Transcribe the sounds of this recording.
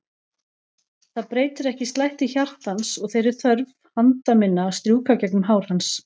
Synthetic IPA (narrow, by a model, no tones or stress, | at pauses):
θaðpɾeːjt̪ʏɾɛhcɪst̪lajht̪ɪçar̥t̪hansɔɣθejɾɪɾθœɾv | hant̪amɪnːaːst̪ɾjuːkacɛknɦaːwɾ̥hans